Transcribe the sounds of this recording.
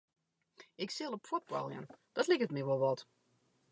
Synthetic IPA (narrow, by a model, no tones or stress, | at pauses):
ɪksɪlˠəpfɔt̚b̥a̰lˠjə̰nd̥ɔtlɪkətmiʋɔlˠʋɔt